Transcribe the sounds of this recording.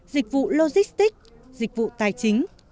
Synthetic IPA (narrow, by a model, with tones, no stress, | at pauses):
zi˨˩k̟̚vṵ˧˨lo˧zi˦˥st̪i˦˥k̚ | zï˨˩k̟̚vṵ˧˨t̪aː˨˩jt͡ɕï˨˦ŋ̟